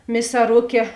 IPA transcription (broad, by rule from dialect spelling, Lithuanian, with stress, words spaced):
mʲɪsɐˈrʊkʲeː